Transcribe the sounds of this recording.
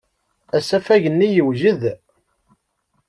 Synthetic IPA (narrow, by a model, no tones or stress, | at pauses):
æsæfæʝənːijəwʒəð